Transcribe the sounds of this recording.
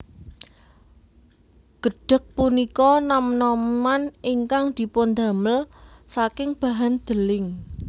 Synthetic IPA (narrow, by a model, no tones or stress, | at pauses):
ɡ̥ə̤ɖ̥ə̤k̚punikɔnamnɔmmaniŋkaŋd̪̥i̤pʊnd̪a̤məlsakɪŋb̥a̤ɦand̪̥əlɪŋ